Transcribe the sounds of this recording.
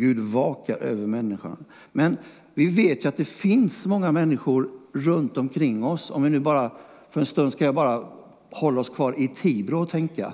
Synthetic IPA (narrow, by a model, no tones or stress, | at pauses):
ɡʉ̟ːd̪vɑːkaɾʔø̰ːvəɾmɛnːɪɧʊ̰ɳ | mɛn | vɪveːt̪jɵat̪̚d̪ɛfɪnsmɔŋːamɛnːɪɧʊɾːɵnt̪ɔmkʰɾɪŋːɔsɔ̰mvɪnʉ̟ːbɑːɾafœɾɛnst̪ɵnd̪skajɑːbɑːɾa | hɔlːaɔskʰvɑːɾɪt̪ʰiːbɾʊɔt̪ʰɛŋka̰